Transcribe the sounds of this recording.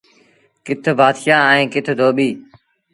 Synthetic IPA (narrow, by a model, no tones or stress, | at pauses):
kɪt̪ʰbaːt̪jãːẽːkɪt̪ʰd̪ʱoːɓiː